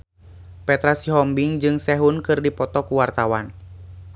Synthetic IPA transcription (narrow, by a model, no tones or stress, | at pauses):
pɛt̪ɾasiɦɔmbiŋd͡ʒɨŋsɛɦunkɨrdipɔt̪ɔkuwart̪awan